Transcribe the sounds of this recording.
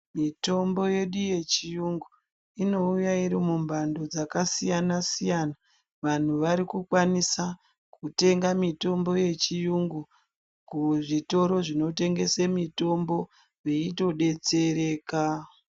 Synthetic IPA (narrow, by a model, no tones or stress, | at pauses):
mito̞mbo̞je̞ɗuje̞t͡ʃijuŋɡu | ino̞ujaiɾimumbʱando̞d͡zakasijanasijana | ʋan̤uʋaɾikukwanisa | kute̞ŋɡamito̞mbo̞je̞t͡ʃijuŋɡu | kuʐito̞ɾo̞ʐino̞te̞ŋɡe̞semito̞mbo̞ | jeito̞ɗe̞t͡se̞ɾe̞ːka